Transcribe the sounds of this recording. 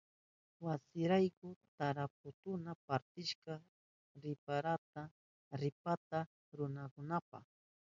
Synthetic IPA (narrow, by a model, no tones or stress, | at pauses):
wasɪɾajkʊt̪aɾap̚ʊt̪ʊnapaɾt̪ɪʃka | ɾɪpaɾat̪a | ɾɪpat̪a | ɾʊnakʊnapɑ̰χ